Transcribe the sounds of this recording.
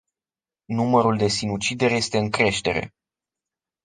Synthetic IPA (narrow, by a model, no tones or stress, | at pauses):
numəɾuld̪e̞sinut͡ʃid̪e̞ɾʲje̞st̪e̞ɨŋkɾe̞ʃt̪e̞ɾe̞̰